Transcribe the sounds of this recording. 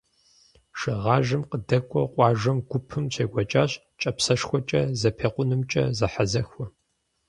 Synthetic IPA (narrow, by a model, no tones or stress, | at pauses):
ʂɨʁɑːʒɨmqədɐkʷʼɔqʷʼɑːʒɐmɡʷʊpʰɨmɕʰeːɡʷɐt͡ʃʼaːɕ | t͡ʃʼɐpsɐʂxʷɔt͡ʃʼɐzɐpʰeːqʷʊnɨmt͡ʃʼɐ̰zɐħazɐxʷɔ